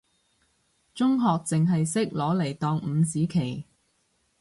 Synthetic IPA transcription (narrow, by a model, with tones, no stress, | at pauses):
t͡sʊ˥ŋɦɔː˨k̚t͡sɪ˨ŋɦɐ˨jsɪ˥k̚lɔː˨˥le˨˩jt̪ɔː˨ŋm̩ː˨˧siː˨˥kʰe˨˩j